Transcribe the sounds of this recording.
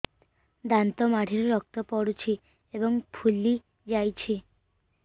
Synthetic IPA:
d̪ant̪omaʈʰiɾɾɔk̚t̪opɔɽut͡ɕʰi | eboŋpʰulːi | d͡ʑajt͡ɕʰi

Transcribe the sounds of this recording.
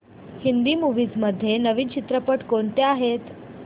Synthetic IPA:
hind̪iːmuʋiːd͡zməd̪ʱːjenəʋiːnt͡ɕit̪ɾəpəʈkoɳt̪eaɦet̪

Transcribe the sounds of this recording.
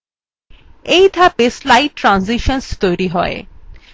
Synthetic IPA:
ejd̪ʱapeslajʈːɾanziʃɔnst̪ojɾiɦɔḛ

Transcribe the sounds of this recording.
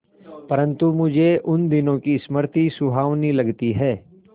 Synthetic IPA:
pɐɾə̃nt̪umʊd͡ʒʱeʔʊnd̪ɪnõkisməɾt̪isʊbʱaːʋnilɐɡt̪iɦɛː

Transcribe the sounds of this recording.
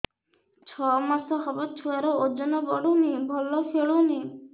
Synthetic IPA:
t͡ʃʰɔmasɔɦɔbɔt̚t͡ʃʰuaɾɔod͡ʒɔnɔbɔɽunibʱɔlːɔfʰeɭuni

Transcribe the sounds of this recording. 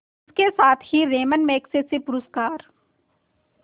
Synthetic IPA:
ɪskesaːt̪ʰhiɾeːmənmeːksesepʊɾəskaːɾ

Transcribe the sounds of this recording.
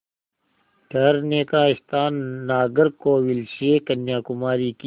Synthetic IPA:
ʈʰɐɾneːkaːɪst̪aːnːaːɡɐɾkoːwilseːkɐnjaːkʊmaːɾiːk

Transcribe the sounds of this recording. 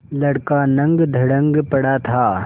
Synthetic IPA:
lɐɽkanɐ̃ŋɡd̪ʱɐɽə̃ŋɡpɐɽat̪ʰaː

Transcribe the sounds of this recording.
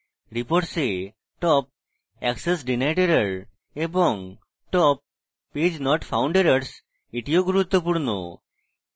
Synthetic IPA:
ɾipoɾʈse | ʈɔp̚ | ɛksesɖinajʈeɾaɾ | eboŋ | ʈɔpː | ed͡ʑnɔʈfʰawɳɖeɾaɾs | iʈioɡuɾut̪ːopuɾno̰

